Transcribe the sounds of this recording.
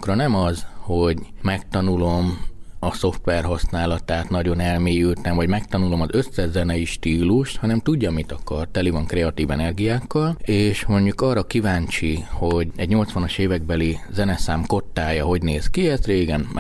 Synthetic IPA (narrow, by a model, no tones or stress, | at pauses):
krɒnɛmɒzho̞ɟmɛk̚t̪ɒnulo̞mɒso̞ft̪ʋɛrɦɒsnaːlɒt̪aːt̪nɒɟo̞nɛlmeːjylt̪ɛmvɒɟmɛk̚t̪ɒnulo̞mɒzø̞sːɛʒzɛnɛjiʃt̪iːluʃt̪hɒnɛmt̪uɟːɒmːit̪ɒkɒrt̪ɛlivɒŋkɾɛɒt̪iːvɛnɛrɡijaːkːɒleːʃmo̞ɲɟukɒːrːɒkivaːɲt͡ʃiho̞ɟɛɟɲo̞lt̪sʋɒnɒʃeːvɛɡ̚bɛlizɛnɛsaːmko̞t̪ːaːjɒɦo̞ɟneːzkiɛsreːɡɛn